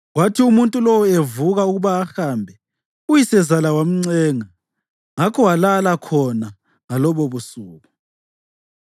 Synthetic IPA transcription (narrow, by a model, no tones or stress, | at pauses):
ɣwatʰiumuntʼulɔwɔevuɣauɣuβaːxaːmbʱɛ | ujisɛzalawam̩ŋ͡ǀɛːŋa | ŋakʰɔwalalakʰɔna | ŋalɔβoβusuːɣu